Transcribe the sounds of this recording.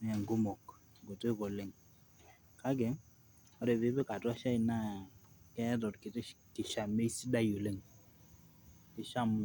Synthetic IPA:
m˦ɛ˨ŋɡo˦mɔ˨k | ɡo˨to˦kɔ˨le˦˨ŋ | ka˦ɡɛ˨˦ | ɔ˦ɾɛ˨be˦be˦ka˨twa˦ʃa˦i˨na˦˨kɛ˦tɔ˨tkɪ˨tkɪ˨ʃa˨me˦i˦si˦da˦jo˨le˦˨ŋ | kɪ˨ʃa˦m˦˨

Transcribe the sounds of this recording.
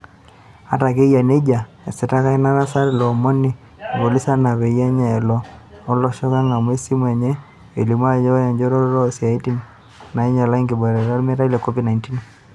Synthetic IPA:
a˦ta˨k̬e˦ja˨ne˦d͡ʒa˨ | e˨si˨ta˦ka˦i˦na˦ɾa˦sa˦ɾlɔ˨mo˦ni˨ | ɡo˨li˦sa˦na˨βɛ˨ja˦ɲa˨ɛ˨lɔ˦ɔ˦lɔ˨ʃɔ˦ka˦ŋa˨mwe˦si˦mwɛ˨ɲɛ˦ | ḛ˨li˨mwa˦˨ɲɔ˦a˦ja˨ɲd͡ʒɔ˦ɾɔ˦ɾɔ˦ɾɔ˦˨si˨a˨i˦ti˦n | na˨i˦ɲa˨la˦i˦ŋɡi˨bɔ˨ɾɛ˨ɾa˦lme˦ɾa˦i˦lɛ˨kɔ˦vi˦dna˨nti˦n

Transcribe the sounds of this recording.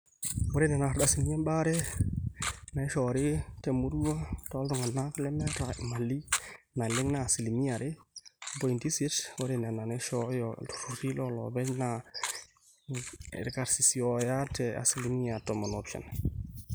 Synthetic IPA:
wo˦ɾe˦nɛ˨na˨ɾda˨si˨lma˦nba˦ɾɛ˦ | na˨jʃɔ˨ɾi˦te˨mu˦ɾu˦wa˦tɔ˨˦ltɔ˨ŋa˨na˦klɛ˦mɛ˦ta˨ma˨lːi˦ | na˨lɪ˦ŋna˨si˨li˨mi˦a˨ɾɪ˦bo˨i˨nti˦se˦two˦ɾe˦na˨na˨ne˦ʃɔ˦jɔ̥˨ɾu˨ɾi˦lɔ˦lɔ̰˨bɛ˦na˨ | ɾka˨ɾsi˨siɔ˨ja˦tɛ˨a̰˨si˨li˨mi˦ja˨tɔ˨mo˨no˨pʃa̰˨n

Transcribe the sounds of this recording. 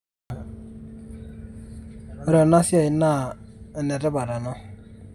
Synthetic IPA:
ɾə˨na˦si˦a˨i˨na˦˨nɛ˨ɾɛ˦ba˨ɾa˨nɔ˦

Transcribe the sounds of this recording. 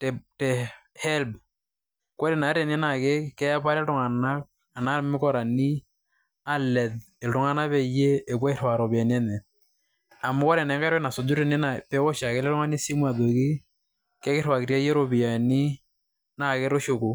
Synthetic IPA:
ttɛ˨hɛ˦lb | ko˦ɾe˨na˨˦ɾe˨nɪ˦na˨kɪ˦kɛ˦a˦pa˦ɾɛ˦ltʊ˨ŋa˨na˦k̚ | a˨na˦lmɪ˦kɔ˦ɾa˨ni˦ | a˦lɛ˨d | e˨ltʊ˨ŋa˦na˦bɛ˦jeː˦˨kwɔ˦ɪ˦ɾwa˨ɾo˨bi˨a˨n˦ɛ˦nɛ˨ | a˨mʊ˦ko˦ɾɛ˨nɛ˨˦ŋɡa˦ɾna˨so˨d͡ʒʊ˦ɾe˨nɪ˦na˨pɛ˦o˦ʃa˨kɪ˦lɛ˦ɾʊ˦ŋa˦ni˦si˦ma˨do˨ki˦ | kɛ˦kɪ˦ɾwa˨kɪ˨ɾa˦je˦ɾo˨bi˨a˨ni˦ | na˨kɪ˦ɾo˦ʃo˨ku˨

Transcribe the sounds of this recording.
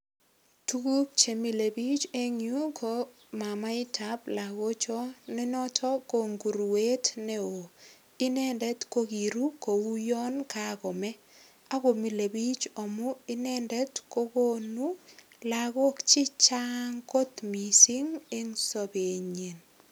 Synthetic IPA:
tu˦ku˦k̚t͡ʃe˨mi˨le˨bi˦t͡ʃe˦ŋju˦kʰo˦ | ma˨ma˦ɪ˦tʰa˦bla˨ɡo˦t͡ʃɔ˦nɪ˦nɔ˦tʰɔ˦ko˨ŋɡu˨ɾu˨we˦tnɛ˦o˨ | ɪ˦nɛ˦ndɛ˦tko˦ɡi˨ɾu˦ko˨wu˦jɔ˦nkakɔ˨mɛ˦ | a˦ɡo˨mi˨le˨bi˦t͡ʃɔ˨mʊ˦ɪ˦nɛ˦ndɛ˦tko˦ko˦nu˦ | la˨ɡo˦kt͡ʃɪ˦t͡ʃa˦ŋko˦t̪mi˨si˦ŋe˦ŋso˦be˨ɲe˨n

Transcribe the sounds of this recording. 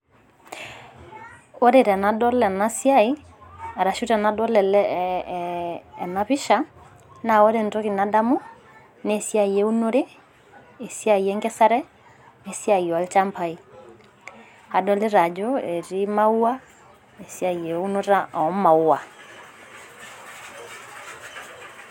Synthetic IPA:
o˦ɾe˨ɾɛ˨na˨˦dɔ˦lɛ˨na˦sja˦i˦ | a˨ɾa˨ʃu˦tɛ˨na˨˦dɔ˦lɛ˨lɛ˦˨ | na˦βi˦ʃa˦ | na˨o˦ɾe˨ntɔ˦ɣi˨na˦da˦mu˦ | ne˦sja˦je˦u˦no˦ɾe˦ | e˨sja˦i˨ɛ˦ŋɡɛ˦sa˦ɾɛ˦ | e˨sja˨i˨a˨lt͡ʃa˦mpʰa˦i˦ | a˨dɔ˦le˦ɾa˨d͡ʒo˦e˨ɾi˦ma˦u˦a˦ | e˨sja˨je˨u˦no˦ɾa˦ɔ˨˦ma˨u˦a˨

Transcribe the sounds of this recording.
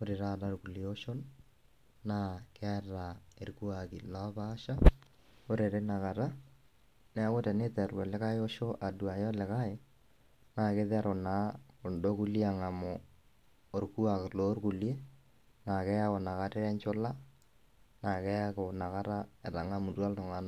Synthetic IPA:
o˦ɾe˨ɾa˦˨da˦ɾku˨lji˦o˦ʃo˦nː | a˦kɛ˦a˦ɾa˨e˨ɾku˦a˨kɪ˨la˦baː˦ʃa˦ | o˦ɾe˨ɾe˦na˨ka˨ɾa˦ | nɛ˨a˦kʊ˦tɛ˨nɪ˦tɛ˨ɾwɛ˨lɪ˦ka˦ɪ˦o˦ʃo˦ʔa˨du˨a˨jɔ˦lɪ˨ka˦ɪ˨ | na˨kɪ˦ðɛ˦ɾʊ˨na˨˦kʊ˨ndo˦ku˦li˦a˨ŋa˨mʊ˨ | o˨ɾku˦a˨kɪ˨lo˦ɾku˨lje˦ | na˨kɛ˦ja˦kʊ˨na˨ka˦tɛ˦ɾɛ˦nt͡ʃʊ˦la˦ | na˨kɛ˦ja˦kɪ˨na˨ka˦ɾa˦ɛ˨ɾa˨ŋa˦mu˨rwa˦ltʊ˨ŋa˦na˨

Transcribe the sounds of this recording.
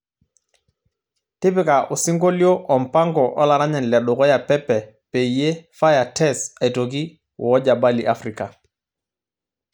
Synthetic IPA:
ti˦pi˦ka˨ʔu˨si˦ŋɡo˦li˦o˦ʔɔ˨mpa˦ŋɡɔ˨ʔɔ̰˦la˨ɾa˦ɲɛ˨nlɛ˨ɗɔ˨kɔ˦ja˨pɛ˦pːɛ˨ | pe˨ije˦fa˦ja˨tɛ˦sa˨jto˨ɡi˦ | wɔ˦d͡ʒa˨ba˦li˨ʔa˦fɾi˨ka˨

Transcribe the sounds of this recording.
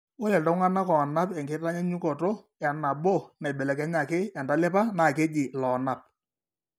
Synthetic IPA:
wo˦lɛ˨tɔ˦ŋa˦na˦kɔ˨na˦pɛ˨ŋɡɪ˦ta˦ɲɛ˦ɲu˦kɔ˨to˦ | ɛ˨na˨bo˦˨na˨bɛ˨lɛ˨kɛ˦ɲa˨kɪ˦ɛ˨nda˦lɛ˦pa˦na˨ke˦d͡ʒɪ˨lɔ˨na˨p̚

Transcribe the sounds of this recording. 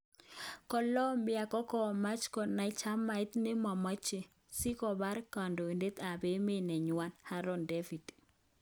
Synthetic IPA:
kɔ˨lɔ˦mbɪ˦a˨kɔ˦kɔ˦˨ma˦t͡ʃkɔ˨na˨i˦t͡ʃa˦ma˨ɪ˦t̪ne˦ma˨ma˦t͡ʃe˨ | si˦kɔ˨ba˦ɾka˨ndo˨e˨nde˦t̪a˨be˦me˦nɛ˨ɲʊ˨wa˦nha˦ɾo˦nde˦fi˨d̥

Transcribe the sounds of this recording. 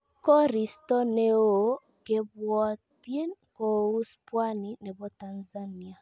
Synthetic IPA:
kɔ˦ɾi˨stɔ˦ne˦˨o˨ | ke˨βwɔ˦tje˦ko˨u˦spwa˦ni˨ne˨βɔ˨˦ta˨nza˦ni˦a˨

